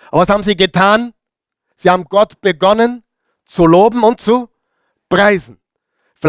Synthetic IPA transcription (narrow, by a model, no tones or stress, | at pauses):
ʔabɐvashaːbm̩ziːɡətʰaːn | z̥iːhaːbm̩ɡɔtb̥əɡɔnən | t͡suloːbm̩ʊnt̚t͡su | pʁ̥aɪzn̩ | fɪl